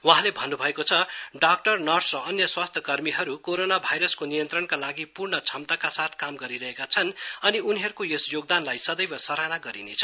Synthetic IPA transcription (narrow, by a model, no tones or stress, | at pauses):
wuɦãlebʱʌnːubʱʌekot͡sʰʌɖak̚ʈʌrnʌrsrʌʌnjʌswast̪ʰjʌkʌrmiɦʌɾukoɾonabʱajɾʌskonijʌnt̪rʌɳkalaɡipurɳʌt͡sʰʌmt̪akasat̪ʰkamɡʌɾiɾʌɦekat͡sʰʌnʌniuniɦʌɾukojesjoɡ̚d̪anlajsʌd̪ʌjbʌsʌɾanaɡʌɾinet͡sʰʌ̥